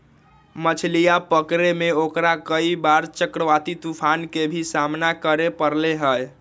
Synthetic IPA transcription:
mət͡ʃʰlijapəkɾemeokɾakəibaɾt͡ʃəkɾəʋat̪it̪upʰankebʱisamnakəɾepəɾleɦəj

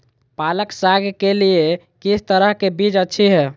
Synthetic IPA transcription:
paləksaɡkelie | kisʰt̪əɾəɦkebid͡ʒətːʃʰiɦɛ

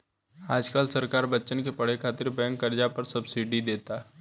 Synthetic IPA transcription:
aːd͡ʒkaːlsɐɾkaːɾbətːʃənkepɐɽ̤ekʰaːt̪ɪɾbɛə̃ŋkːəɾd͡ʒapɐɾsɐbsiɖid̪eːt̪aː

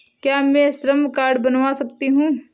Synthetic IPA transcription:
kjaːmɛ̃ːsɾəmkaːɾɖbɐnʋasɐkt̪iɦũː

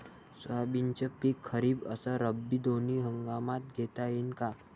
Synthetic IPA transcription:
sabint͡ɕəpikʰːəɾiːbəsəɾəbːid̪oniɦəŋɡamat̪̚ɡʱet̪ajinka

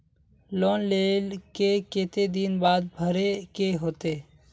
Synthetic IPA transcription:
loːnleːlkekeːt̪ed̪inbaːd̪bʱəɾekeɦoːt̪eː

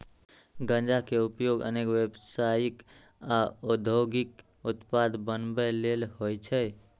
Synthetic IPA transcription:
ɡə̃nd͡ʒakeupjoɡə̰nekwebsajik | aod̪ʱoɡik | ut̪pad̪bənbɛlelhojt͡ʃʰɛj

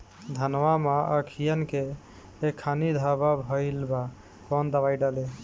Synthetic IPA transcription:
d̪ʱənwamaʔəkʰijənkeː | kʰːanid̪ʱababʱəɪlba | kɔnd̪əbajɖale

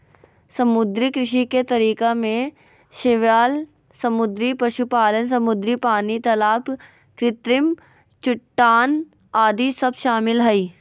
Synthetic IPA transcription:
sɐmʊd̪ɾikɾɪʃiket̪ɐɾiːkamẽ | ʃɪʋjaːl | sɐmʊd̪ɾipɐʃupaːlənsɐmʊd̪ɾipaːnit̪ɐlaːp | kɾɪt̪ɾɪm | t͡ʃʊʈːaːn | aːd̪isɐbʃaːmɪlɦɛiː

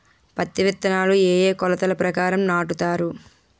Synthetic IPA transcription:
pɐt̪ːiʋit̪ːɐnaːlueːjeːkɔlɐt̪ɐlɐpɾɐkaːɾɐmnaːʈut̪aːɾu

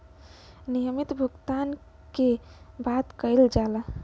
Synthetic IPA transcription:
nijəmit̪bʱuɡt̪an | kebat̪kəjld͡ʒalə

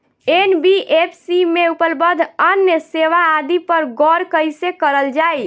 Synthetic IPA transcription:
enbiʔepʰsimeupəlbəd̪ʱənjəseʋaːd̪ipəɾɡɔɾkəɪsekəɾəld͡ʒaj

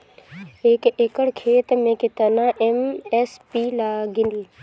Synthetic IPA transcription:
eːkekəɽkʰeːt̪mẽkɪt̪ənãʔemespiːlaːɡɪnd̪i

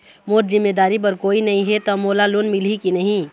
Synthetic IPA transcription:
moɾzimːed̪aɾip̬əɾkoinəɦĩɦet̪ɔmolalonmilɦikinəɦĩ

